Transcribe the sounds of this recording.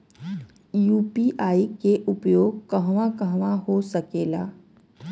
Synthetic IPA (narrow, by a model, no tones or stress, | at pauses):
juːpiʔaːikeʔʊpjoːɡ̚kəɦʋãkəɦʋaɦosəkeːla̰ː